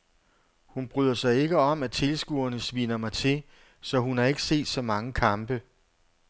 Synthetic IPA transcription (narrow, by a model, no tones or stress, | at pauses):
hunb̥ʁyðˠɐsɑ̈ɪe̝ɡ̥əɒ̽mæt͡sʰe̝lsɡ̥uɐnəsʋiːnɐmɑ̈ɪt͡sʰe̝ | sɒ̽ɦunɑ̈e̝ɡ̥əse̝̰ːd̥sɒ̽mɑ̈ŋəkʰɑ̈mb̥ə